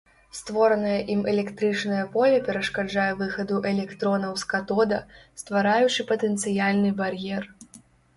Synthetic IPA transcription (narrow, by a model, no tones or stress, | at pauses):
st̪vɔɾɐnɐjɐʔimɛlʲɛkt̪ɾɨt͡ʂnɐjɐpɔlʲɐpʲɛɾɐʂkad͡ʐajɛvɨxɐd̪uʔɛlʲɛkt̪ɾɔnɐwskat̪ɔd̪ɐst̪vaɾajut͡ʂɨpɐt̪ɛnt̪sɨjalʲnɨbarjɛr